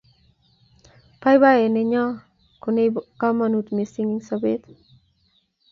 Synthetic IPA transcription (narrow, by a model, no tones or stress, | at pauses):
pajβaeneɲɔ | konejkamanut̪mesiŋiŋsaβet̪